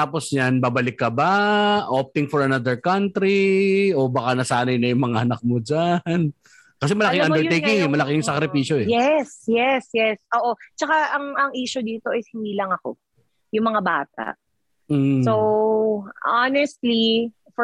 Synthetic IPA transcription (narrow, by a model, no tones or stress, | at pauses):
t̪aːposɲanbaːbɐlɪkːɐbaʔop̚t̪ɪŋfɔɹɐnad̪ɛɹkant̪ɾio̞baːkanɐsaːnɐjnɐjʊŋmɐŋaʔɐnɐk̚mod͡ʒan | kɐs̬ɛmɐlɐkɪŋand̪ɛɹejɪŋɛmɐlɐkɪjŋsɐkɾɪpiːʃoɛjɛsjɛsjɛsʔoːʔo̞t͡ʃɐkaʔɐŋɐŋʔiːʃʊd̪iːt̪o̞ʔɐjshɪniːlɐŋɐko̞̰ | jʊŋmɐŋabaːt̪a̰ʔ̩ | sow | ʔanɛst̪li | f